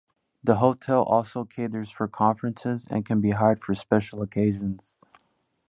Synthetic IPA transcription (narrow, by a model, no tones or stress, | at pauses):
ðəɦoʊtʰɛlˠʔɔ̰lˠsoʊkʰeɪdə˞z̥fə˞kʰɑ̃ɱfɹɨ̃nsɪzɨ̰̃nkʰɨ̃nbiɦaɪd̥fə˞spɛʃl̩ˠəkʰeɪʒɨ̃nz̥